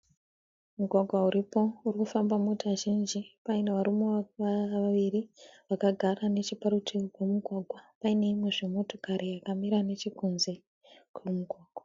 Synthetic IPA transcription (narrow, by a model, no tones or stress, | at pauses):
muɡʱwaɡʱwauɾipo̞urikufambamuutaʒind͡ʒipaine̞ʋaɾumoʋaʋiriʋakaɡʱarane̞t͡ʃipaɾutʰikwemuɡʱwaɡʱwapaine̞imwe̞ʐemo̞to̞kaɾijakamiɾane̞t͡ʃikunze̞ | kwumuɡʱwaːɡ̥ʱwa